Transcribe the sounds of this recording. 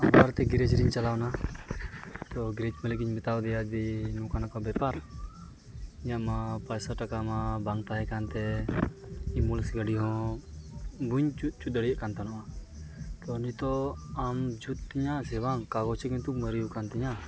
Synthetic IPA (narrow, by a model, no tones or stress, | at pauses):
ambaɾt̪ɛɡiɾed͡ʒɾiɲt͡ʃalawna | t̪ɔɡɾet͡ʃməlikiɲbɪt̪awd̪ijad̪inũkanakɔbɛpaɾ | ɲaʔmãpajsaʈakamãbaŋt̪aɦɛkant̪ɛ | imulsɡəɖiɦɔ̃ | buɲut͡ʃut̪ːəɽijaʔkant̪anɔʔa | t̪ɔnit̪ɔamd͡ʒut̪ːiɲãsɛwaŋkaɡɔt͡ʃʰɛkiɲt̪uməɾijukant̪iɲa